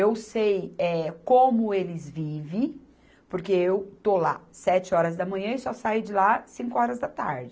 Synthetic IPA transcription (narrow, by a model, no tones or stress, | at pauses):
ewsejɛkõmʊelɪzvivẽj̃ | poɾkeewt̪olasɛt͡ʃɪɔɾɐzd̪ɐmɐ̃ɲɐ̃ɪsɔsajd͡ʒɪlasĩkʊɔɾɐzd̪ɐt̪a̰ɾd͡ʒɪ